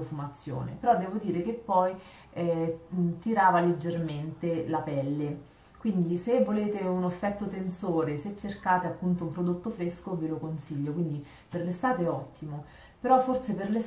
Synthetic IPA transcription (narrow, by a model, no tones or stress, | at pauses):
ofumat̪sːjo̰ːnḛpeɾɔd̪ːɛːvod̪iːɾekepːɔj | ɛt̪iɾaːvaled͡ʒːerment̪elapɛlːe | kwind̪isevːoleːt̪eunofːɛt̪ːot̪ensoːɾeset͡ʃːerkaːt̪eapːunt̪oumpɾod̪ot̪ːofɾeskovelokonsiʎːokwind̪i | perlest̪aːt̪eɛɔt̪ːimo | peɾɔfːorseperles